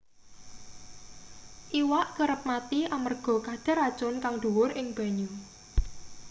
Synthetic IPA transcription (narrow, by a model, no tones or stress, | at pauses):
ʔiwaʔkəɾəp̚mat̪iamərɡ̥ɔ̤kad̪̥a̤ɾad̥ʒ̥ɔ̤nkaŋd̥̪uwʊrɪŋb̥a̤ɲu